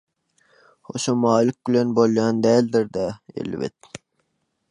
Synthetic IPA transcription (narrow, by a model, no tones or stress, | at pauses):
χoʃomɑːlɪk̚ʲbɪlenbolˠjɑːnd̪æːld̪ɪɾd̪æḛlvɪ̰t̪̚